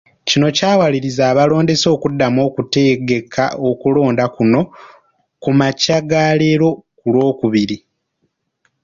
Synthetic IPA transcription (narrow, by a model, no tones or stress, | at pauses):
cino̞caːwaliɾizaːβalo̞ːnde̞so̞ːkudːamo̞ːkute̞ɡe̞kʰa̰o̞kulo̞ːndakuno̞ | kumacaɡale̞ɾo̞kulo̞ːkuβiɾi